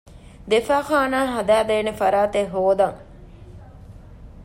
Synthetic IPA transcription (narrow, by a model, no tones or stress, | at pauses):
d̪efaːxaːnaːɦɐd̪æːd̪eːnefɐɾaːt̪eɦoːd̪ɐŋ